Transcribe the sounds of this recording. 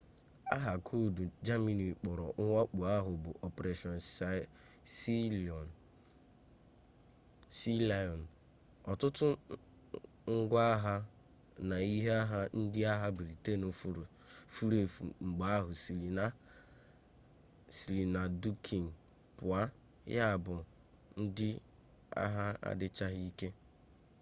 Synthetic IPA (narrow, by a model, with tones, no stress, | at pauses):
a̰˦ɦa˨kʰo˦˨du˨d͡ʒa˦mi˦ni˨k͡pɔ˨ɾɔ̰˨ʔʊ˦ŋʷa˦k͡pu˨a˦ɦʊ˨bʊ˨ʔɔ˨pe˨ɾe˨ʃɔ˨n˨sa˨ | si˦lɔ˨n˨ | si˦la˦ɔ˨n̩˨ | ɔ˨tʊ˦tʊ˦ | ŋ̩˦ɡʷa˦ɦa˦ | na˨i˦ɦa˦ɦa˦n̩˦dɪ˦a˦ɦa˦bi˨ɾi˨te˦no˨fu˦ɾ | fu˦ɾe˨fṵ˨ŋ͡m̩˨ɡ͡ba˦a˦ɦʊ˨si˨ɾi˨na˦ | si˨ɾi˨na˨du˦kʰi˨n̩˨ | pʊ˨a˦ | ja˦˨bʊ˨ | n̩˦dɪ˦ | a̰˦ɦa˦a̰˦dɪ˦t͡ʃa˦ɦi˦ke˦